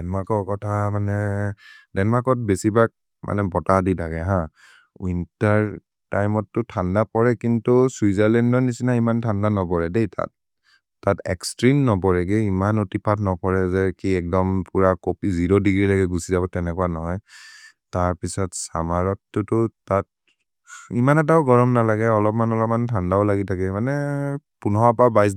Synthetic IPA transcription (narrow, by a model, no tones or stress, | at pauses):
dɛnmakɔkɔtʰamanɛ | dɛnmakɔt̚besibak̚ | mʔa̰nɛbɔtaditaɡɛɦã | intaɹ | tajmɔtːʊtʰandapɔɹɛkintusuizaɹlɛndɔnisinaimantʰandanɔpɔɹɛdejtʰa̰t̚ː | atɛ̰kstɹimnɔbɔɹɛɡɛimanotipʰatnɔpɔɹɛzɛkiɛk̚dɔmpuɹakopiziɹɔdiɡɹilaɡɛɡusizabɔtɛnɛkuanɔɦɔj | taɹpisɔtsa̰maɹɔtːʊtʊtat̚ | imanɛt̬aʊɡɔɹɔmnalaɡɛɔlɔpmanɔlɔmantʰandaʊlaɡitʰakɛmanɛpunɔapabajs̬